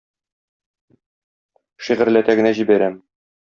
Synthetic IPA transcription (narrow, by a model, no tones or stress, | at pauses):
ʃiʁɘ̆ɾlæt̪æɡɘ̆næʑibæɾæm